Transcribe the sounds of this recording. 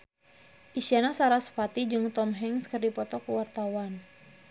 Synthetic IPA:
ʔiʃanasaɾasə̥pat̪id͡ʒɨŋt̪ɔmɦɛŋskɨrdipɔt̪ɔkəwart̪awan

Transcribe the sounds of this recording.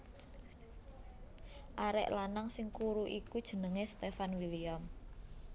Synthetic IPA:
ʔaɾɛ̰ʔlanaŋsɪŋkuɾuʔikud̥ʒ̥ə̤nəŋest̪efanwiliam

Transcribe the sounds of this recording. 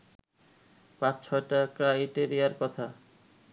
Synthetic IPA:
pãt͡ɕt͡ɕʰɔjʈakɾajʈeɾijaɾkɔt̪ʰa

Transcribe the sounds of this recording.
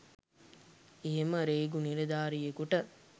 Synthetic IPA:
eɦeməɾeːɡuniɾed̪aːɾijekuʈə

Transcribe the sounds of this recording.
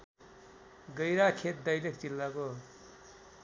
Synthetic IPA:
ɡʌjɾakʰet̪̚d̪ʌjlek̚t͡silːako

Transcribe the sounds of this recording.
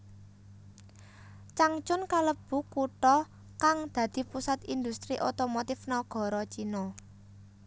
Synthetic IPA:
t͡ʃaŋt͡ʃʊnkaləb̥ṳʈkuʈɔ | kaŋd̪̥ä̤d̪̥i̤pusat̪ind̪ust̪ɾiʔot̪omot̪ɪfnɔɡ̥ɔ̤ɾɔt͡ʃinɔ

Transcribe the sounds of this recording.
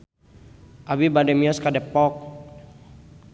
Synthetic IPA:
ʔabibadɛmiɔskadɛpːɔk̚

